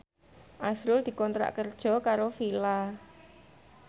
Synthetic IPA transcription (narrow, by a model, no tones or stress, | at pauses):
ʔasɾʊld̪̥i̤kɔnt̪ɾa̰ʔkərd̥ʒ̥ɔ̤kaɾofila